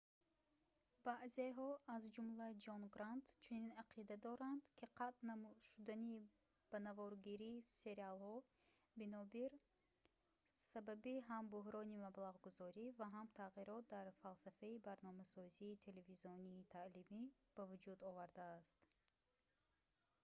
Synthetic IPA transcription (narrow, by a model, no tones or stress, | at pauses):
b̥aʔzeɦɔazd͡ʒumlad͡ʒɔnɡɾand̪t͡ʃʰuninaqʰid̪ad̪ɔɾand̪kʰiqʰat̪namuʃud̪ani | b̥anavɔɾɡiɾiːse̞ɾialhɔ | binɔbiɾ | sababiɦambuɦɾɔnimablaʁɡuzɔɾivaɦamt̪ʰaʁiɾɔt̪̚d̪aɾfalsafaibaɾnɔmasɔziːt̪ʰe̞le̞viziɔniːt̪ʰaʔlimi | b̥avud͡ʒud̪ɔvaɾd̪aːst̪